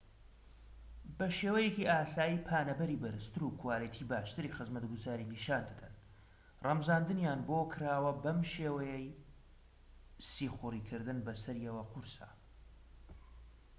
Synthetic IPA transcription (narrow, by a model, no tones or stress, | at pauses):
bɐʃeːwɐjekiʔaːsaːjiːpʰaːnɐbɐɾiːbɐɾɨst̪ɨɾuːkʰʊwaːlit̪ʰiːbaːʃt̪ɨɾixɨzmɐt̪ɡuzaːɾiniʃaːnd̪ɨd̪ɐn | rɐmzaːnd̪ɨnjaːnboːkʰɾaːwɐbɐmʃeːwɐjɛj | siːxʊriːkʰɨɾd̪ɨnbɐsɐɾiɐwɐqʊɾsa̰